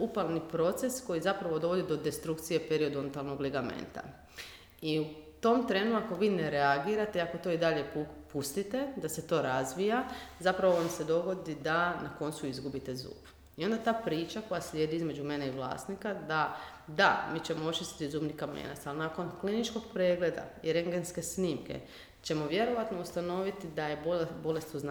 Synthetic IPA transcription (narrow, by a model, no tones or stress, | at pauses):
upalˠnipɾo̞t̪se̞sko̞jizapɾaʋo̞d̪oʋo̞d̪id̪o̞d̪est̪ɾukt̪sije̞pe̞ɾio̞d̪uont̪alˠno̞ɡleɡamḛnt̪a̰ | iut̪o̞mt̪ɾe̞ːnuako̞ʋiːne̞ɾeaɡiːɾat̪eiako̞t̪o̞id̪aʎe̞pupust̪it̪e̞d̪ase̞t̪o̞ːɾazʋijazapɾaʋoʋamse̞d̪o̞ɡo̞d̪id̪anako̞nt̪suizɡubit̪e̞zṵːb | io̞nd̪at̪aːpɾiːt͡ʃako̞jaslʲje̞ːd̪iizme̞d͡ʒume̞ne̞iʋlˠa̰ːsnikad̪a | d̪amiːt͡ʃe̞moo̞t͡ʃist̪i̥t̪izuːbnikamḛːna̰tsalnaːko̞nklinit͡ʃko̞ɡ̚pɾe̞ːɡle̞d̪a̰iɾe̞ŋɡenske̞sniːmke̞̰ | t͡ʃe̞mo̞ʋje̞ɾo̞ʋat̪no̞ust̪ano̞ʋit̪id̪aje̞bobo̞le̞st̪uzn